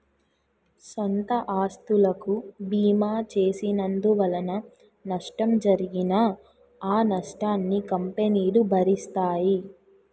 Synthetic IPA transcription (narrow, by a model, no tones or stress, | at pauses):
sont̪ɐʔaːst̪ulɐkubiːmaːt͡ʃeːsinɐnd̪uʋɐlɐnɐ | nɐʂʈɐmd͡ʒɐɾiɡinɐ | aːnɐʂʈaːnːikɐmpeniːlubʱɐɾist̪aːji